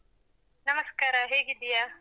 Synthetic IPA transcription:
nɐmɐskaːɾaɦeːɡid̪ijaː

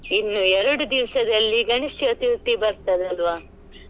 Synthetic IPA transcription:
inːuːɛɾɐɽud̪iʋsɐd̪ɐlːiɡɐɳiʂʈɐt̪ilt̪ibɐɾt̪ɐd̪ɐlʋaː

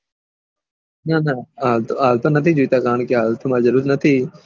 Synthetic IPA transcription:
nanaaːlaːlt̪onət̪ʰiːd͡ʒʊit̪aːkaːɳkeɦaːlt̪ʰʊmaːzəɾuːɾnət̪ʰiː

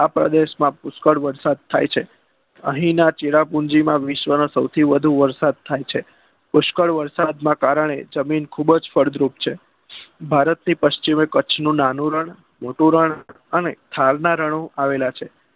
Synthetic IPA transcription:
apɾə̰d̪eʃmãpʊskəɭʋəɾsad̪̚t̪ʰa̰jt͡ʃʰe | ə̰ɦĩnat͡ʃeɭapund͡ʒimãʋɪʃʋənosəwt̪ʰiʋəd̪ʱũʋəɾsad̪̚t̪ʰajt͡ʃʰe | pʊʃkəɭʋəɾsad̪mãkaɾəɳ̃ḛd͡ʒəminkʰubd͡ʒfəɾd̪ɾupt͡ʃʰe | bʱaɾət̪nipəʃt͡ʃimẽkət͡ʃʰnũnanũɾəɳ | moʈũɾəɳ | ənet̪ʰaɾnaɾəɳ̃oʔaʋelat͡ʃʰe

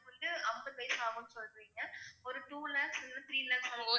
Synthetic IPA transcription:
kɔnd̪ɯɐmbɐt̪ːɐɪsaːɣɐ̃nːɯsɔlɯʋiːŋɡɐɔɾɯʈuːlaːksɾɪndɯ̃t̪ʰɾiːlaːksaːɡo

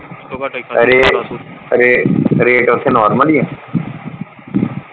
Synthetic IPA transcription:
əɾeː | ɾeːɾeːʈot̪ʰːeːnɔːɾməlijãː

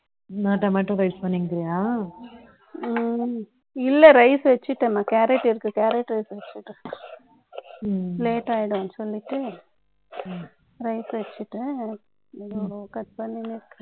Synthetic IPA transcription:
naːʈːɐmɐːʈːɯ̃ɾɐɪspɐnːɪŋɡɡɪɾɪjaː | ɪlːɛɾɐɪsʋɛt͡ʃːɪʈːɐmaːkaːɾɛʈːɪɾɯkːɯkaːɾɛʈːɾɐɪsʋɛt͡ʃːɯʈːɯ | leːʈaːjɪɽɯɐnːɯsɔlːɪʈːɯ | ɾɐɪsʋɛt͡ʃːɯʈːɯ | dɭokɐʈ̪pɐnːinɪɾɯkːɾɐ

